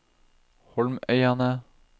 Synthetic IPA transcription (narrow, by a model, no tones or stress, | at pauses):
hɔlmœʏɑnə